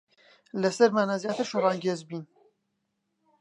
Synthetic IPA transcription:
lɐsɐɾmaːnaːzjaːt̪ʰɨɾʃorɑːŋɡeːzbiːn

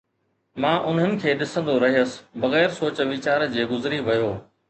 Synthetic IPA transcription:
mãːʔʊn̤ənɪ̆kʰeːɗɪsə̃nd̪oɾɐɦijəsɪ̥̆bɐɣɛːɾsoːt͡ɕʋit͡ɕaːɾd͡ʑeːɡʊzɪɾiʋɐjoː

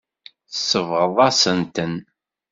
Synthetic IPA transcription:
θəsːəvʁəðˤɑsənt̪ən

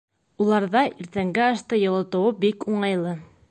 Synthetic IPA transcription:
ulˠɑɾðɑʔiɾt̪æŋɡæɑʃt̪ɤjɤ̆lˠɤ̆t̪ɤ̆wɤbikuɴɑjlˠɤ

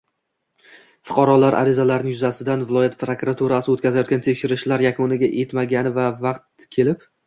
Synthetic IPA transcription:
fʊ̥qʰɑɾɒlaɾʔa̰ɾɪzalaɾɪnɪjʊzasɪd̪anvɪlˠɒjat̪̚pɾokɾat̪ʰuɾasɪot̪kʲʰazajɒt̪ɡʲant̪ʰekʲʃɪɾɪʃlaɾjakʰonɪɡʲaʔe̞t̪maɡʲanɪvavɑqt̪̚kʲʰe̞lɪp

